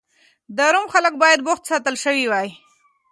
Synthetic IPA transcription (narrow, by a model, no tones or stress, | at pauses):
d̪əɾʊmxalək̚bɑjad̪bʊxt̪sɑt̪əlʃəwiwɑj